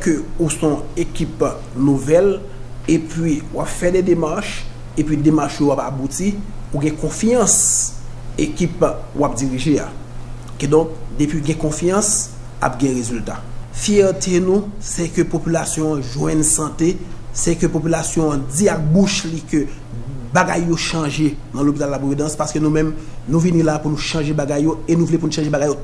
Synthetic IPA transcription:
køusɔ̃ekip | nuvɛl | epʰɥiwapfɛdɛdemaʁʃ | epɥidemaʁʃjowapabutiuɡɛ̃kɔ̃fjɐ̃s | ekipwap̚d͡ziʁiʒea̰kedɔ̃k̚d̪epɥiuɡɛ̃kɔ̃fjɑ̃s | a̰p̚ɡɛ̃ʁezyltafjɛʁt̪ʰenũsɛkøpopylasjɔ̃ãʒwɛ̃nsɐ̃t̪esɛkøpopylasjɔ̃ãd͡ziak̚buʃlikø | baɡa̰jːoʃɑ̃ʒenɐ̃lopit̪alːapuwed̪ãspaskønũmɛ̃mnũvinĩlapunũʃɑ̃ʒebaɡajːoenũvlɛp̬unũʃɑ̃ʒebaɡajo

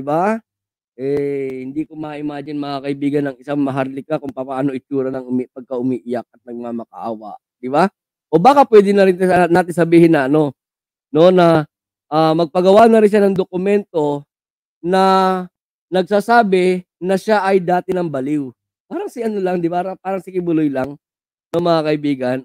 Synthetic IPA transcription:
ɪba | ʔɛhɪnd̪iːkomɐʔɪmaːd͡ʒɪnmɐkakɐɪbiːɡɐnɐŋɪsaŋmɐɦaɾlɪkakʊŋpɐpaʔaːno̞ʔɪt͡ʃuːɾɐnɐŋʊmipɐɡ̚kɐʔʊmiːʔɪjak̚ɐt̪̚nɐɡ̚mamɐkɐ̰ʔa̰ːwɐ̰ʔ | d̪̥ɪba | ʔo̞baːkapwɛːd̪ɪnɐɾɪnnaːt̪ɪŋsɐbiːhɪnɐʔɐno̞ | no̞nɐ | ʔaːmɐɡ̚pɐɡɐwanɐɾɪnʃanɐŋd̪okʊmɛnt̪o̞ | nɐ | nɐɡ̚saːsaːbɪnɐʃaʔɐjd̪aːt̪ɪnɐŋbɐlɪw | paːɾɐŋsɪʔɐnolaŋd̪ɪbaɾɐpaːɾɐŋsɪkɪbʊlojlaŋ | noŋmɐŋakɐʔɪbiːɡɐn

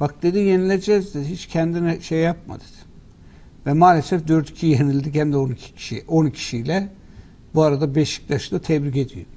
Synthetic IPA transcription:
b̥akd̪̥e̞d̪ije̞nilʲed͡ʒɛzd̪ed̪hit͡ʃcʰænd̪inɛʃejjap̚ma̰d̪ed̪ | vɛmaːlʲesɛfd̪øɾt̪ʰi̥cʰijenilʲd̪ichæmd̪ɛonicʰi̥cʰi̥ʃioncʰi̥ʃijlʲɛ | buaɾad̪abɛʃi̥c̚t̪aʃɯd̪at̪ʰɛbɾice̞d̪ijo̰

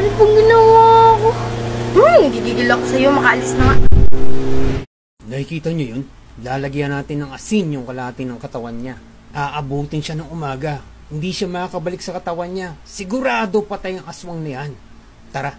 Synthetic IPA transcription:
ɾɪpʊŋɡɪnowoɐko | nɐɡiɡiɡɪlakosɐjo̞mɐkɐʔɐlɪsnɐŋa | nɐhɪkiːt̪ɐɲojon | laːlɐɡiɐnaːt̪ɪnːɐŋʔɐsinjʊŋkɐlɐaːt̪ɪnːɐŋkɐt̪ɐwanɲa | ʔaːʔɐbuːt̪ɪnʃanɐŋʔʊmaːɡɐ | hɪnd̪iʃamɐkakɐbɐlɪk̚sɐkɐt̪ɐwanɲasɪɡʊɾaːd̪o̞pɐt̪ɐjɐŋʔɐswɐŋnɐjan | t̪ɐɾa

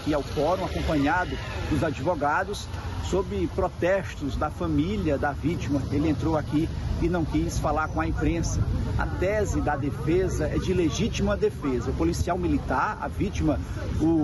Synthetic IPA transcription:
kiawfɔɾõakõpɐ̃ɲad̪ʊ | d̪ʊzad͡ʒivoɡad̪ʊsːobɾɪpɾɔt̪ɛst̪ʊzd̪ɐfɐ̃miljɐd̪ɐvit͡ʃimɐelɪẽnt̪ɾowakiɪnɐ̃w̃kisfalaɾkõɐĩpɾẽsɐɐ̰t̪ɛzɪd̪ɐd̪efezɐɛd͡ʒɪleʒit͡ʃimɐd̪efezɐʊpolisiawmilit̪aɾɐ̰vit͡ʃimɐ | ʊ

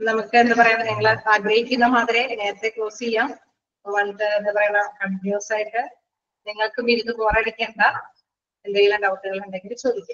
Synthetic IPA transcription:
nɐmukːɨend̪ɨpɐrɐjaniŋːɐɭaːɡrɐhikʲːunːɐmaːðɾene̞ːɾɐt̪ːe̞koːsijːaːm | pːoʋɐɭt̪ːɨenːɨpɐrɐjuɳakɐɳɖijoːsaːjiʈːɨ | niŋːɐɭkɨmiɾunːɨpoːraːɽikʲːeːɳɖaː | end̪ɐŋilɐɖɐwuʈːɨɣɐɭuɳɖeŋɡilit͡ɕo̞ːd̪ʱikʲːum

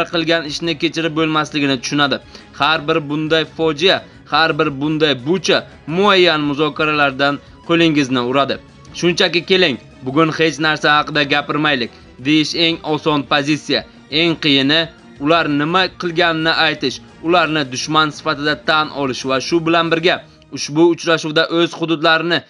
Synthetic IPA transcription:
ɾqʰɨlˠɡʲanɪʃnɪkʲe̞t͡ʃʰɪɾɪp̚bolˠmaslɪɡʲɪnɪt̪ʰʊ̥ʃʊnad̪ɪ | haɾbɪɾbʊnd̪ajfɒd͡ʒɪja | haɾbɪɾbʊnd̪ajbʊt͡ʃʰa | mʊajːanmʊzɒkʲʰaɾalaɾd̪an | qʰolˠɪŋɪznɪʊɾad̪ɪ | ʃʊnt͡ʃʰakʲɪkʲe̞lɪŋ | bʊɡʲʊnhe̞t͡ʃnaɾsahɑqɨd̪aɡʲapɪɾmajlɪk̚ʲ | d̪e̞jɪʃe̞ŋɒsɒnpʰozit̪sija | e̞ŋqʰɨjɪnɪ | ʊlaɾnɪmaqʰɨlˠɡʲanɪnɪʔajt̪ɪʃ | ʊlaɾnɪd̪ʊʃmansɪ̥fat̪ɪd̪at̪ʰanʔɒlˠɪʃvaʃʊbɪlanbɪɾɡʲa | ʊʃbʊːt͡ʃɾaʃuwd̪aʔɵz̥hʊd̪ʊd̪laɾɪnɪ

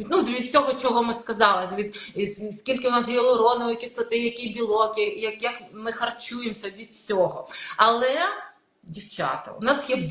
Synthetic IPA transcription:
nud̪ʋʲid̪sʲɔɦɔt͡ʃɔɦɔmɪskɐzɑlˠɪʋʲid̪skʲilʲkɪʊnɑsjɛlˠɔɾɔnʊʋɔjɐkʲist̪ɐt̪ɪjɐkijbʲilˠɔkɪjɐkjɐkmɪxɐrt͡ʃujemsʲɐʋʲid̪sʲɔɦɔɐlˠɛ | dʲiwt͡ʃɑ̰t̪ɐ̰ʊ̰nɑsjɛb

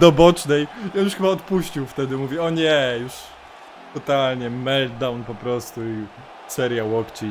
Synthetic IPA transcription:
d̪ɔbɔt͡ʂnɛjiɔnjuʂxɘbaɔt̪puɕt͡ɕiwft̪ɛd̪ɘmuvʲjɛɔɲɛjuʂ | t̪ɔt̪alɲɛmɛld̪d̪awnpɔpɾɔst̪ui | sɛɾjawɔkt͡ɕi

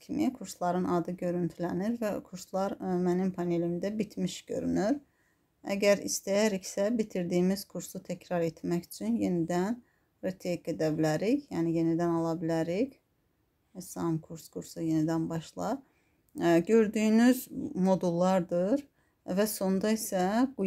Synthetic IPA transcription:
kʰimikʰuɾslˠɑɾɯnɑd̪ɯɟø̞ɾynt̪ʰylæniɾvækʰuɾslˠɑɾmænimpʰɑne̞limd̪æbit̪ʰmiʃɟ̥ø̞̰ɾy̰nyɾ | æ̰ɟæɾḭst̪æjæɾicsæbit̪ʰiɾd̪iːmiz̥kʰuɾsut̪ʰæcʰɾɑɾe̞t̪ʰmæçy̥t͡ʃʰynjenid̪æn | ɾet̪ʰeɡæd̪æbilæɾicjæːnije̞nid̪ænɑlˠɑbilæɾiç | sɑmkʰuɾskʰuɾsuje̞nid̪ænbɑʃlˠɑ | ɟø̞ɾd̪yːnyzmo̞d̪ulˠːɑɾd̪ɯɾ | væso̞nd̪ɑisæɡ̥u

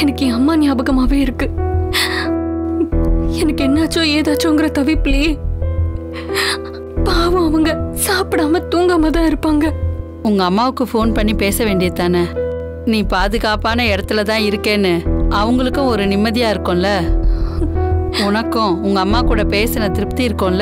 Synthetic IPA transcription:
ɛnɐkːɪɐmːaːnɪjaːbɐɣɐmaːʋeːɪɾɯkːɯ̃ | ɛnɐkːɛnːaːt͡ʃːõeːðaːt͡ʃːõʊŋɡɪɾɐt̪ɐʋɪpːliː | paːʋɐ̃ɐʋɐŋɡɐsaːpɪɽaːmɐt̪uːŋɡaːmɐt̪ãːɪɾɯpːaːŋɡɐ | ʊŋɡɐːmːaːʋɯkːɯfoːnpɐɳːipeːsɐʋeːɳɖɪjɐt̪aːnɐ | nĩːpaːðɯɣaːpaːnɐɛɽɐt̪ːɯlɐt̪ãːɪɾɯkːeːnːɯɐʋɐŋɡɐɭɯkːʊ̃ɔɾɯnɪmːɐðɪjaːɪɾɯkːʊ̃ːlɐ | ʊnɐkːʊ̃ʊŋɡɐːmːaːkuːɽɐpeːsɐnɐt̪ɪɾɯp̚t̪iɪɾɯkːõːlɐ

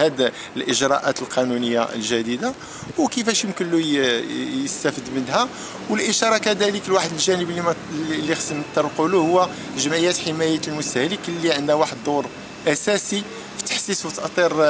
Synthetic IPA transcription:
æd̪ | əlʔəʒɾˤɑ̰ʔæt̪əlqɑnunəjːaʔə̰lʒæd̪id̪a | wkəfæʃjəmkənlu | jəst̪æfəd̪mənhæ | wəlʔəʃɑɾˤɑkæd̪æləkəlwaħəd̪əlʒænəblːmlːixsəmət̪ːɑɾˤlquluhʊwːæ | ʒəmʕijæt̪ħəmæjæt̪lmʊst̪æhəlikəlːiʕənd̪æwaħəd̪d̪ˤʊɾˤ | ʔæsæsi | fi̥t̪ːə̥ħsiswt̪əʔt̪ˤiɾ

